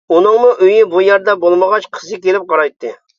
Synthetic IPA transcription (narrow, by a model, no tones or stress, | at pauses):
unɨŋmuʔøjibujɛɾd̪ɛbolˠməʁɑt͡ʃqʰə̥sɨkʲelɪp̚qɑɾɑjt̪ʰːɨ